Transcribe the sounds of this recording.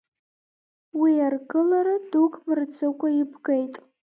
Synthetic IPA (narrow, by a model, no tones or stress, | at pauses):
wiarɡɨlaɾadukʼmɨrt͡sʰɨkʷʼaibɡejtʼ